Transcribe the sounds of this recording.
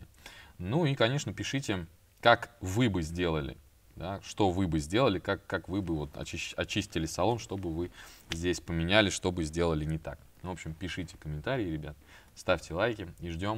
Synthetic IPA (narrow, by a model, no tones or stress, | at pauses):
nuikɐnʲe̞ʂnəpʲɪʂɨtʲɪ | kakvɨbɨzʲdʲe̞lˠəlʲɪ̰ | d̪aʂt̪o̞vɨbɨzʲdʲe̞lˠəlʲɪkakːakvɨbɨvo̞t̪ɐ̰t͡ɕiɐt͡ɕisʲtʲɪlʲɪsɐlˠo̞nʂt̪o̞bɨvɨzʲdʲesʲpəmʲɪnʲælʲɪʂt̪o̞bɨzʲdʲe̞lˠəlʲɪnʲɪt̪a̰k̚ | nvo̞pɕɪmpʲɪʂɨtʲɪ̥kəmʲɪnt̪aɾʲɪːɾʲɪbʲat̪̚ | st̪afʲtʲɪlˠajkʲɪiʐdʲo̞m